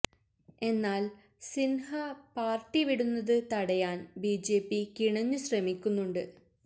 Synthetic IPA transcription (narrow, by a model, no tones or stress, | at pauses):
e̞nːaːl | sinhɐpaːrʈːiʋiɽunːɐðɨt̪ɐɽɐjaːnbid͡ʑe̞ːpːikiɳɐɲːuɕrɐmikʲːunːuɳɖɨ